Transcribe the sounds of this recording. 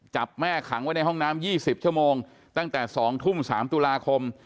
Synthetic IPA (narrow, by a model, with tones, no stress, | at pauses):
t͡ɕa˨˩p̚mɛː˥˩kʰa˨˩˦ŋwa˦˥jna˧jɦɔ˥˩ŋnaː˦˥mjiː˥˩si˨˩p̚t͡ɕʰu˥˩əmoː˧ŋ | t̪a˥˩ŋt̪ɛː˨˩sɔː˩˦ŋt̪ʰu˥˩msaː˩˦mt̪u˧laː˧kʰo˧m